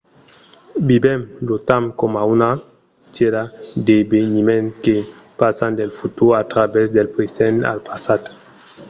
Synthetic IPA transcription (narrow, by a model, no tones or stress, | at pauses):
bibɛmlot̪amkɔmauna | t͡ʃeɾad̪ebeɲimẽnkepasand̪elfut̪uɾat̪ɾabɛsd̪elpɾezɛna̰lpasat̪